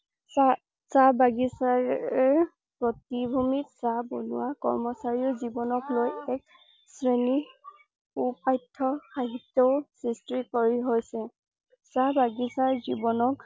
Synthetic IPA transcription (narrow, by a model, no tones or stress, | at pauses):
sa | sabaɡisaɹɛɹ | pɹɔtibʱumitsabɔnʊ̰wakɔ̰ɹmɔsaɹiɔzibɔnɔklojɛk̚ | sɹeni | upajtʰːɔxaɦitːɔʊsistɹikɔɹiɦojsɛ | sabaɡisaɹzibɔnɔk̚